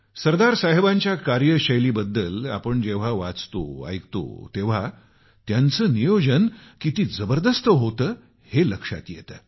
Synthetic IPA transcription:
səɾd̪aɾsaɦebaɲt͡ɕjakaɾjəɕəjliːbəd̪ːəla̰pəɳd͡ʑeʋ̤aʋat͡st̪o̰a̰jkt̪o̰t̪eʋ̤a | t̪jant͡səːnijod͡ʑənkit̪iːd͡zəbəɾd̪əst̪əɦot̪əː | heləkʂa̰t̪jḛt̪əː

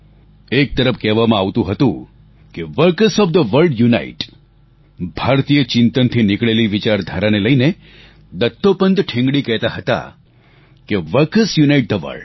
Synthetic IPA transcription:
ek̚t̪əɾəfkɛɦʋamãaʋt̪ũɦət̪ṵ̃ | keʋəɾkəsɔʋd̪əʋəɾɖjuna̰iʈ | bʱaɾt̪ijət͡ʃɪnt̪ənt̪ʰinɪkɭeliʋit͡ʃaɾd̪ʱaɾaneləine | d̪ət̪ːopənd̪ʈʰɪ̃ŋɡɽikɛɦt̪aɦət̪a̰ | keʋəɾkəsjunaiʈ̚d̪əʋə̰ɭɖ

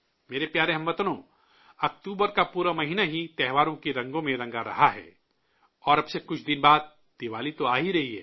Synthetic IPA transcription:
meːɾepjaːɾeɦɐ̃mʋɐt̪nõ | ɐk̚t̪uːbəɾkapuːɾamɐɦiːnaɦit̪ɛɦʋaːɾõkeɾɐ̃ŋɡõmẽɾɐ̃ŋɡaɾɐ̰ɦaɦɛ̰ː | ɔːɾɐbsekʊt͡ʃʰd̪ɪnbaːd̪̚ | d̪̥ɪʋaːlit̪oaːɦiɾɐɦiɦɛ̰ː

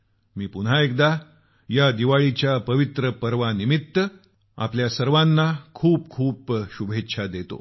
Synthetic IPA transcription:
miːpuɽ̤ɦaekd̪a | jad̪iʋaɭit͡ɕjapəʋit̪ɾəpəɾʋanimit̪ːə | a̰pljasəɾʋanːakʰuːp̚kʰuːpɕubʱetːɕʰad̪et̪o̰

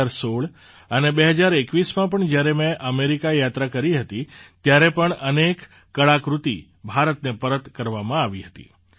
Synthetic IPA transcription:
ɾsoɭ | ənebeɦəd͡ʒaɾekʋismãpəɳd͡ʒjaɾemẽʔəmeɾikajat̪ɾakəɾiɦət̪it̪jaɾepəɳənekː | əɭakɾut̪i | bʱaɾət̪nepəɾət̪kəɾʋamãaʋiɦət̪ḭ

